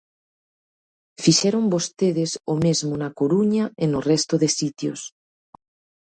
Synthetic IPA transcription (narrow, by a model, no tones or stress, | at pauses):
fiʃeɾombost̪eðesomezmonakoɾuɲaenorɛst̪oðesit̪jo̰s